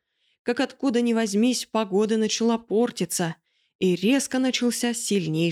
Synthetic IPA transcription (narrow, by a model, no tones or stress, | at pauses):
kakɐt̪kud̪ənʲɪvɐzʲmʲisʲpɐɡo̞d̪ɨnət͡ɕɪlˠapo̞rtʲɪt̪sə | iɾʲe̞skənət͡ɕɪlˠsʲasʲɪlʲnʲej